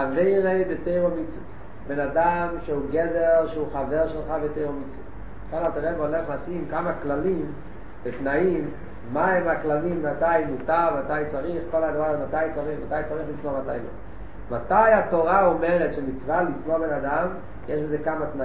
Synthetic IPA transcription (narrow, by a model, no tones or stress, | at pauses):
aveɪʁebeteɪʁomit͡sves | benadamʃeuɡɛdeʁʃeuχavɛʁʃelˠχabetejʁomit͡sves | kamateʁɛvɔlɛχlasimkamaklalim | betnaimː | aɛmaklalimmatajmutamatajt͡saʁiχkolaɡvamatajt͡saʁiχmatajt͡saʁiχlismomata̰jlo̰ | matajatoʁaomɛʁɛtʃemit͡svalismobenadam | jeʃbɪzekamatna